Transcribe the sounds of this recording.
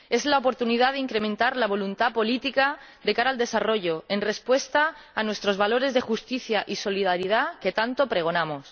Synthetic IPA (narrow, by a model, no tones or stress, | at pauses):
e̞zlaopo̞ɾt̪unið̞aðeiŋkɾe̞mẽnt̪aɾlaβ̞o̞lunt̪apo̞lit̪ika | ðe̞kaɾald̪esaro̞ʝo̞e̞nre̞spwe̞st̪aː | nwe̞st̪ɾo̞zβalo̞ɾe̞zðe̞xust̪iθjaʔiso̞lið̞aɾið̞ake̞t̪ant̪o̞pɾe̞ɣ̞o̞namo̞s